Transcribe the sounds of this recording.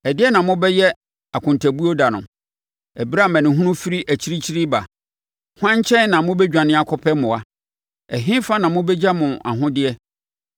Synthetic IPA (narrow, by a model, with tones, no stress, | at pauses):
ɛ˨dɪ˦ɛ˦nã˨˦mʊ̃˦bɛ˦jɛ˦ | a˨kʰʊ̃˨ntʰæ˨bu˦o˦da˨nʊ̰̃˨ | ɛ˨bi˦ɾa˦˨mɛ̃˨nɪ̃˨ɦũ˦nʊ̃˦fi˦ɾi˦ʔæ˨t͡ɕʰi˦ɾi˦t͡ɕʰi˦ɾi˦ba˨ | hʊ˦ã˦ɲ˦t͡ɕʰɛ̃˦n˦nã˨mʊ̃˦bɛ˦d͡ʑᶣã˨nɪ̃˦a˨kʰɔ˦pʰɛ˦mʊ̃˨a˨ | ɛ˨ɦɪ̃˦fa˦nã˨mʊ̃˦bɛ˦d͡ʑa˦mʊ̃˨a˨ɦʊ̃˦dɪ˦ɛ˦